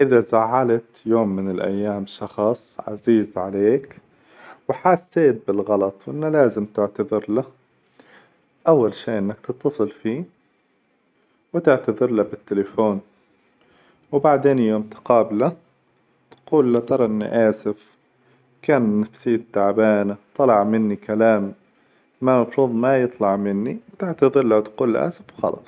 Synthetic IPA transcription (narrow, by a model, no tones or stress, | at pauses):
ʔɪðasaʕːalat̪joːmːɪnɪlʔa̰jːaːmʃɑxsˤʕa̰ziːzʕaleːk | wħaːsːeːt̪̚bɪlɣɑlɑt̪ˤwʔɪnːalaːzɪmt̪ɪʕt̪aðɪɾla | ʔawːalʃiːʔɪnːakt̪ɪt̪ːɑsˤɨlfiː | wɪt̪ɪʕt̪aðɪɾlabɪt̪ːɪlɪfoːn | wbaʕd̪eːnjoːmt̪ɪ̥qɑːbla | t̪quːlːat̪ɑɾˤɑʔɪnːḭʔaːsɪf | kaːnːafsɪjːad̪aʕbaːnat̪ˤːɑlɑʕmɪnːikalaːmː | amɑfɾuːðˤmajɨt̪ˤlɑʕmɪnːiwɪt̪ɪʕt̪aðɪɾlawt̪quːlːa̰ʔa̰ːsɪfwxɑ̰lʔɑ̰ːsˤ